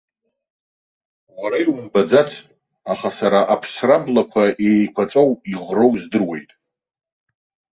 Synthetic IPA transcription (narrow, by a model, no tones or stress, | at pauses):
waɾajwumbad͡zat͡sʰʼ | aχasaɾaʔapʰsrablakʷʰaʔejkʷʰat͡sʼowiʁrowzdɨrwe̞̰jtʼ